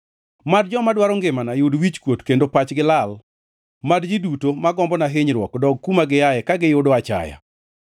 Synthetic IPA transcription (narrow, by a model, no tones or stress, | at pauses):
mad̚d͡ʒɔmadwaɾɔŋɡɪmanajʊdwit͡ʃkwotkendopat͡ʃɡɪlal | madd͡ʒɪdutomaɡɔmbɔnaɦɪɲɾwɔkdɔɡ̚kumaɡɪjajɛkaɡɪjʊdɔat͡ʃa̰ja̰